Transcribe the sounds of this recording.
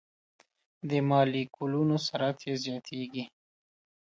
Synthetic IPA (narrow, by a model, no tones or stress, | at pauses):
d̪əmɑlikʰulunosaɾat̪ʰjezjɑt̪ʰeɡi